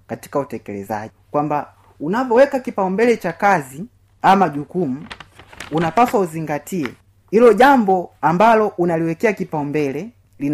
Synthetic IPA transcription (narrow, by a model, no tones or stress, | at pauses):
kati̥kautɛkɛlɛ̰za̰ikwamba | unavɔwɛkakipaumbɛlɛt͡ʃakazi | amaɟukumuunapaswauziŋɡatiɛ̰ | ilɔɟambɔambalɔʔunaliwɛkɛakipaumbɛlɛ | lin